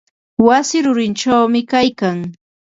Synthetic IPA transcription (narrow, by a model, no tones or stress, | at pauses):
wasɪɾʊɾɪnt͡ʃawmɪkajkaŋ